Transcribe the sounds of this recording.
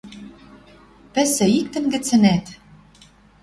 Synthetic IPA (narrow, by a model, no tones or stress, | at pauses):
pɘ̆sɘ̆ik̚t̪ɘ̆nɡɘ̆t͡sɘ̆næt̪